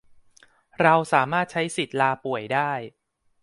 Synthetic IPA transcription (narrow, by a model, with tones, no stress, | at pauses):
ɾa˧wsaː˩˦maː˥˩t̪̚t͡ɕʰa˦˥jsi˨˩t̪̚laː˧pu˨˩əjdaː˥˩j